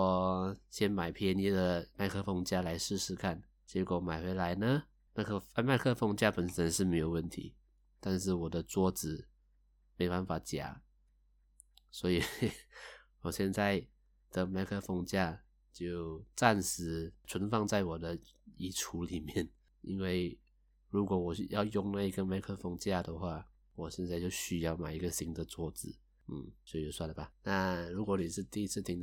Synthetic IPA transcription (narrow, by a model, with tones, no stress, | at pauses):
ɔ˨˩ɕjɛ˥nma˨˩ɪpʰɛ˥˧nɛ˥d̪ə˨ma˥˧ɪkʰɤ˥˧fɑ˥˧ŋt͡ɕja˥˧la˧˦˥ɪʂɻ̩˥˧ʂɻ̩˥˧kʰa˥˩n | t͡ɕjɛ˧˥kwɔ˨˩ma˨˩ɪxwe˧˥ɪla˧˥ɪnə˨ | ma˥˧kʰma˥˧ɪkʰɤ˥˧fɑ˥˧ŋt͡ɕja˥˩pə˨˩nsə˧˦˥ŋʂɻ̩˥˩me˧˥ɪjo˨˩ʊwə˥˩nt̪ʰḭ˧˥ | t̪a˥˧nʂ̬ɻ̩˥˩wɔ˨˩d̪ə˦t͡swɔ˥˩t͡sɹɻ̩˨˩ | me˧˥ɪba˥nfa˧˥t͡ɕja̰˨˩˦ | swɔ˧˥i˨˩ | wɔ˨˩ɕjɛ˥˧nt͡sa˥˩ɪ | d̪̥ə˨ma˧˥kʰɤ˥˧fɑ˥˧ŋt͡ɕja˥˧ | t͡ɕjo˥˧ʊt͡sa˥˧nʂɻ̩˧˥ʈ͡ʂʰə˧˥nfɑ˥˧ŋt͡sa˥˩ɪwɔ˨˩d̪ə˦i˨˥ʈ͡ʂʰu˧˥li˨˩mjɛ˥˩n | ḭ˧˥nwe˥˩ɪ | ɻu˧˥kwɔ˧˥wɔ˨˩˧jɑ˥˧ʊjʊ˥˧ŋna˥˧i˧˥ɡə˨ma˧˥ɪkʰɤ˥˧fʊ˥˧ŋt͡ɕja˥˩d̪ə˨xwa˥˩ | wɔ˨˩ɕjɛ˥˧nt͡sa˥˧ɪt͡ɕjo˥˧ʊɕy˧˥jɑ˥˩ʊma˨˩i˧˥ɡə˧ɕi˧˥ŋd̪ə˧t͡swɔ˥˩t͡sɹɻ̩˨˩˦ | n̩˥˩swɔ˧˥i˨jo˧˩ʊswa˥˩nlə˨˩ba˨˩na˥˧ɻu˧˥kwɔ˧˥ni˨˩ʂɻ̩˥˧t̪i˥˧i˥t͡sʰɹ̩˥˧t̪ʰi˧˥ŋ